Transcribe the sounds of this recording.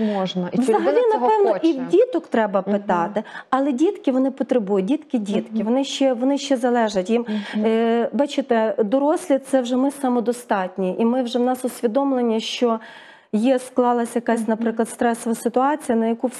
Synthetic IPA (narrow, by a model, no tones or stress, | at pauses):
mɔʒnɐʋzɐɦɐɐlʲinɐpɛwnɔiwdʲit̪ɔkt̪ɾɛbɐpɪt̪ɑt̪ɪɐlˠɛdʲit̪kɪʋɔnɪpɔt̪ɾebujʊt̚ʲdʲit̪kɪdʲit̪kʲɪʋɔnɪʃt͡ʃɛʋɔnɪʃt͡ʃɛzɐlˠɛʒɐtʲjim | bɑt͡ʃɪt̪ɛd̪ɔɾɔsʲlʲit̪sɛwʒɛmɪsɐmɔd̪ɔst̪ɑtʲnʲiʔimɪwʒɛwnɑsʊsʲʋʲid̪ɔmlˠenʲːiʃt͡ʃɔ | jisklˠɑlˠɐsʲjɐkɑsʲnɐpɾɪklˠɐd̪st̪ɾɛsɔʋɐsɪt̪ʊɑt͡sʲijɐnɐjɐku